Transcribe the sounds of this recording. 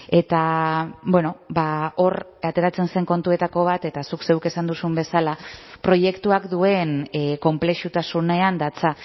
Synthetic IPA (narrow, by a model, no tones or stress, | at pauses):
e̞t̪abwe̞no̞bao̞r | at̪e̞ɾat͡se̞nse̞ŋko̞nt̪ue̞t̪ako̞β̞at̪e̞t̪asukse̞wke̞sand̪usumbe̞salapɾo̞je̞kt̪uakd̪ue̞nko̞mple̞ʃut̪asune̞and̪at͡sa